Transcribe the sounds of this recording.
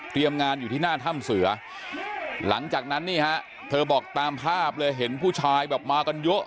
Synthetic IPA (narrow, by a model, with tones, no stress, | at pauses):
t̪ʰɾi˧əmŋaː˧njuː˨˩iː˥˩naː˥˩t̪ʰa˥˩msɯ˩˦ɐ | la̰˩˦ŋt͡ɕaː˨˩k̚na˦˥nːiː˥˩hɛ˦˥ʔ | t̪ʰɤː˧bɔː˨˩k̚t̪aː˧mpʰaː˥˩p̚lɤː˧jɦe˩˦npʰuː˥˩t͡ɕʰaː˧jbɛː˨˩p̚maː˧ka˧njo˦˥ʔ